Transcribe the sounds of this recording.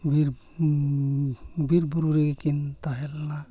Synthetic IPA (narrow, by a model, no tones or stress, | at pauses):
biɾ | biɾbuɾuɾiɡikint̪aɦɛlːa